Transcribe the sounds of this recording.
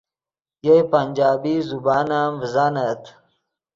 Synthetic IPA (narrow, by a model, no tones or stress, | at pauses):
jejpɐnʲd͡ʒaːbiːzubaːnaːmvizanɐt̪